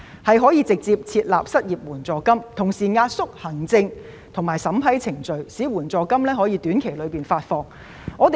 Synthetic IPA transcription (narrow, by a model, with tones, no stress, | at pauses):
hɐ˨jɦɔː˨˥jiː˧t͡sɪ˨k̚t͡siː˧p̚t͡sʰiː˧t̚la̰ː˨p̚sɐ˥t̚jiː˨p̚wuː˨˩nt͡sɔː˨˩kɐ˥mt̪ʰʊ˨˩ŋsiː˨˩ŋaː˧t̚sʊ˥k̚hɐ˨˩ŋt͡sɪ˧ŋ | t̪ʰʊ˨˩ŋmaː˨˩jsɐ˨˥mpʰɐ˨˥jt͡sʰɪ˨˩ŋt͡ʃɵ˨ɥsiː˨˥wuː˨˩nt͡sɔː˨˧kɐ˥mlɛː˥ɦɔː˨˥jiː˨˧t̪yː˨˥nkʰe˨˩jlɵ˨˧ɥpiː˨nfaː˧t̚fɔː˧ŋ | ŋʔɔː˨˧t̪